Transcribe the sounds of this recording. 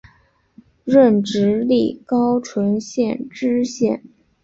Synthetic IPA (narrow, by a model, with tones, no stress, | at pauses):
ɻə˥˩nʈ͡ʂɻ̩˧˥li˥˩kɑ˥ʊʈ͡ʂʰwə˧˥nɕjɛ˥˧˩nʈ͡ʂɻ̩˥ɕjɛ̰˥˩n